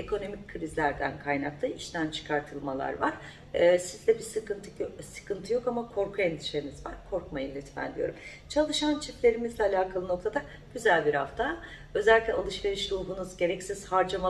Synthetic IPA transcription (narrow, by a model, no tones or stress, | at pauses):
ekʰo̞no̞micʲkʰːɯɾizlʲæɾd̪æ̰nkʰajnak̚t̪ʰˠaiʃt̪ʰænt͡ʃʰɯ̥kʰaɾt̪ʰɯlˠmalˠa̰ɾvaɾ̥ː | sizlʲɛbisɯkɯnt̪ʰɯsɯ̥kɯnt̪ʰɯjo̞kamakʰo̞ɾkʰuend̪iʃenizvaɾ̥kʰo̞ɾkmajilʲɛt̪ʰmæ̰nd̪ijo̞ɾum | t͡ʃʰalˠɯʃant͡ʃʰit̪lʲe̞ɾimizlʲɛalʲaːkʰalˠɯno̞k̚t̪ʰad̪a | ɟ̥yzælʲbiɾha̰ft̪ʰa | ø̞zɛlʲiclʲɛ̰alˠɯʃve̞ɾiʃɾuːɦunuzɟe̞ɾɛcsiz̥haɾd͡ʒama